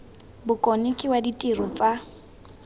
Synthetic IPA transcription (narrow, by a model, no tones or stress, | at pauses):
bʊkʼɔnɪkʼɪwaditʼirɔt͡sʼa